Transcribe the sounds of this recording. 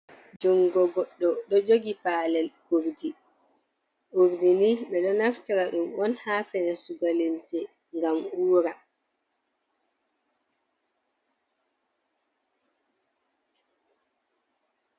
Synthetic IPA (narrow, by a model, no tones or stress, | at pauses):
d͡ʒɔŋɡɔɡɔɗːɔɗɔd͡ʒoɡipaːlɛlkuɾdi | ʔuɾdiniɓɛɗɔnaftiɾaɗumɔnhaːfɛnɛsuɡalimsɛ | ŋɡamuːɾa